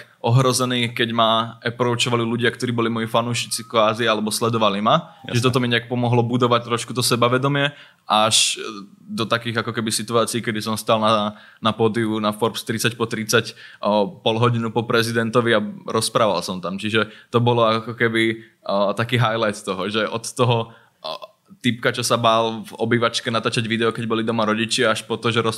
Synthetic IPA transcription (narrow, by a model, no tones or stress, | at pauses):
ʔɔɦɾɔzɛniːkɛɟmaɛpɾɔut͡ʃɔʋaliluɟɪakt̪ɔɾiːbɔlimɔjifanuːʃit͡sikʋaːzialɛbɔslɛd̪ɔʋalimaʒɛt̪ɔt̪ɔmiɲɛak̚pɔmɔɦlɔbud̪ɔʋac̚t̪ɾɔʃkut̪ɔsɛbaʋɛd̪ɔmɪɛ | ʔaʃ | d̪ɔt̪akiːɣakɔkɛbisit̪uaːt͡siːkɛd̪isɔmst̪alna | napɔd̪iunafɔɾpst̪ɾit͡sacpɔt̪ɾit͡sac | pɔlɦɔɟinupɔpɾɛzid̪ɛnt̪ɔʋiaɾɔspɾaːʋa̰lsɔmt̪amt͡ʃiʒɛt̪ɔbɔlɔakkɔkɛbi | t̪akiːɦajlajt̪t̪ɔɦɔʒɛʔɔt̪ːɔɦɔ | t̪ip̚kat͡ʃɔsabalvɔbiʋat͡ʃkɛnat̪aːt͡ʃaɟʋid̪ɛɔkɛɟbɔlid̪ɔmaɾɔɟit͡ʃɪaaʃpɔt̪ɔʒɛɾɔ